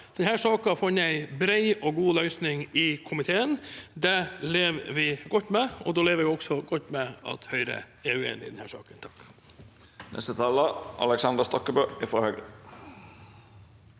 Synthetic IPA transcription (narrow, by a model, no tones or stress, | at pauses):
d̪̥ɛnhæːʂɑːkɑfɑnːəæɪbɾæɪɔɡuːlœʏsnɪŋɪkʰʊmɪt̪ʰeːənd̪ɛleːʋʋɪɡɔt̪ːmɛɔd̪oːleːʋəʋɪɔksɔɡɔt̪ːmɛɑ̰t̪hœʏɾə̰ | ɛʉːḛːnɪ̰d̪ɛnhæːʂɑ̰ːkənt̪ʰɑ̥k | nʔɛ̰st̪ət̪ʰɑːləɑ̰lɛksɑnd̪əst̪ɔkːəbøːɪfɾɔhœːɡə